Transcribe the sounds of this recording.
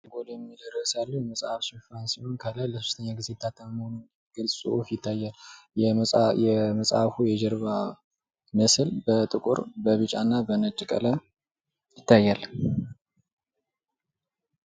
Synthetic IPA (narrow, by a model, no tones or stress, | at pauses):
ɡod̪jɛmːid̪ərːəsalːəhjɛməsʼafʃɪfansionkʰalajləsu̥st̪ʰəɲːaɡɨzet̪ʰːat̪ʰːəmhonu | ɡ̥ɨlsʼṵʔufjɪt̪ʰːajːaljɛjɛməsʼa̰fujɛd͡ʒɛɾβa | məsɨlbət̪ʼɨkʼṵɾbəβɨt͡ʃʼanːabənət͡ʃʼːkʼə̰lə | jɪt̪ʰːajːal